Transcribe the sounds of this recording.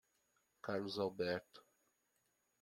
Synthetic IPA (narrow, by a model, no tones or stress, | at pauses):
kaɾluzabɛɾt̪